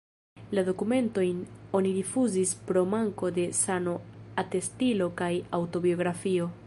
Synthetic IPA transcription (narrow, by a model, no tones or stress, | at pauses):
lado̞kume̞nto̞jno̞niɾifuzispɾo̞maŋko̞de̞sano̞ate̞stilo̞kajawto̞bio̞ɡɾafio̞